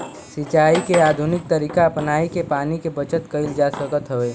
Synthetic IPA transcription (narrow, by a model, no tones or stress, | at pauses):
sɪt͡ʃaːikeaːd̪ʱʊnɪk̚t̪əɾiːkapnaːikepaːnikebət͡ʃət̪kɐɪld͡ʒaːsəkət̪ɦoʋeː